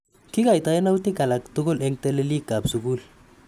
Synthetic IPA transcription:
ki˦ka˨jta˦ɛ˦na˦u˦ti˦ka˨la˨kto˦ko˦lɛ˦ŋte˦le˦li˦kːa˨bsu˨ku˦l

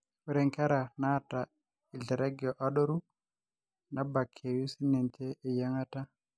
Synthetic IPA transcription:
u˦ɾɛ˨ŋkɛ˦ɾa˨na˦˨ta˨ | i˨ɮɛ˨ɾa˦ɡi˨ɔ˨ʔa˦ɗɔ˦ɾu˦ | na˦ba˨kʰe˨ju˦si˦nɛ˨nt͡ʃɛ˦ʔe˨ja˦ŋa˦ta˦

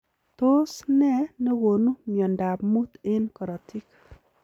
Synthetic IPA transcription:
t̪o˦snɛ˦ne˦wo˨nu˦mjɔ˨nda˨pmu˦t̪e˦nkɔ˨ɾɔ˨tʰi˦k

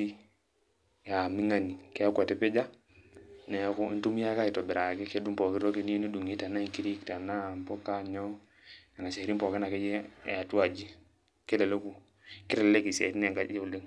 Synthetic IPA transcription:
i˦ | ja˨mi˦ŋa˨ni˨ke˦kʷa˨te˨pe˦d͡ʒa˦ | ne˨˦ku˦ḭ˦ntu˦m˦ja˦ka˦i˨to˨bi˨ɾa˨ki˦ke˦du˦mpo˨ki˦ɾo˦ke˦ni˦ni˦du˨ŋi˦ta˨na˦i˨ŋki˦ɾi˦kta˨na˦˨mpo˦ka˦ɲo˦ | ka˨na˨se˨ɾi˦mpo˨ke˦na˨ke˦d͡ʒe˦˨a˨tu˦a˨d͡ʒi˦ | ke˦le˨le˦ku˦ | ki˦ɾe˨lle˦ki˨sḛ˨ɾi˦n˦e˨ŋka˦e˦u˨le˦ŋ

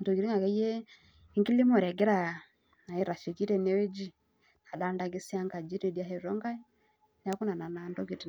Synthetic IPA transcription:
ndɔ˨ki˨ɾi˦ŋɡa˨ka˨˦jɛ˦ | ŋɡi˦li˦mɔ˨ɾɛ˨ɡɛ˦ɾa˨ | na˨i˦ɾa˨ʃi˨ki˦ɾɛ˦nɛ˦wɛ˦d͡ʒi˦ | na˨da˨˦nda˨ɡi˦si˦a˦ŋka˨d͡ʒi˦ɾi˨dja˦ɦɛ˨ɾɔ˦ŋɡa˦ | n˦a˦ku˦na˨na˨na˨ndɔ˦ɡi˨ti˨

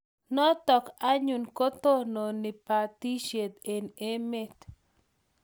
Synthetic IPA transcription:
nɔ˦t̪ɔ˨ka˦ɲu˨nko˦t̪o˦no˨nɪ˨pa˨t̪i˦ʃje˨t̪e˨ne˦me˦t̪

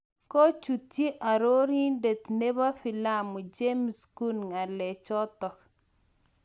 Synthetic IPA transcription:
ko˦t͡ʃu˨t̪je˦ʔa˨ɾo˦ɾi˦de˨t̪ne˦ba˦fi˨la˦mu˨d͡ʒe˦msku˦nŋa˨lɛ˨t͡ʃɔ˦t̪ɔ˨k

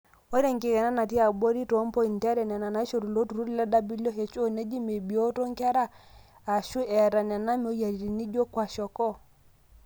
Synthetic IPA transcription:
ɔ˦ɾe˦ŋki˨kɛ˨na˦na˨ti˦a˨bo˦ɾi˦tɔ˨˦mpɔ˦i˨ntɛ˦ɾɛ˨nɛ˨na˨na˨˦ʃo˨ɾu˨lo˦tu˨ɾu˦ɾi˦la˦da˦bi˦lo˦ɦe˨t͡ʃo˦ne˦d͡ʒi˦me˨bi˨o˦to˦ŋka˦ɾa˦ | a˨ʃu˦ɛ˨ɾa˨nɛ˨na˦m˨o˦ja˨ɾi˨ɾi˨ni˦ɟo˦kwa˨ʃɔ˨kɔ˦

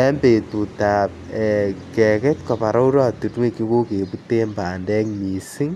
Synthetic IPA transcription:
ɛ˦mbe˨tu˨ta˨p̚ɛkɛ˨kɛ˦tkɔ˨pa˨ɾa˦u˦ɾa˦tu˨twe˦ki˦ko˦ke˨pu˦te˦mba˨ndɛ˦ŋmi˨si˦ŋ

